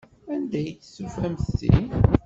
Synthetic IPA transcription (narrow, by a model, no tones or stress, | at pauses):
ænd̪æjət͡sːsəfæmθsḭ